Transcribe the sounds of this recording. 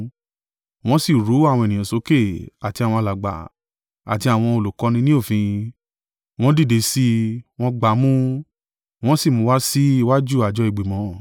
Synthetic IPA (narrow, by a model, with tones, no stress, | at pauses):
w̃ɔ̃˦si˦˨ɾu˨˦a˦˨w̃ɔ̃˧e˨nĩ˨ã˨so˨˦ke˦˨a˨ti˧a˨wɔ̃˧a˧la˨ɡ͡ba̰˨ | a̰˨ti˧a˨w̃ɔ̃˧o˨lu˨kɔ˧˦nĩ˧nĩ˦o˦˨fĩ˧ | w̃ɔ̃˦di˦˨de˨˧˦si˦w̃ɔ̃˦ɡ͡ba˨˦mũ˦ | w̃ɔ̃˦si˦˨mũ˨˦wa˦si˦i˦˧wa˦d͡ʒu˦˨a˨d͡ʒɔ˧˦i˨ɡ͡be˨mɔ̃˨˦˨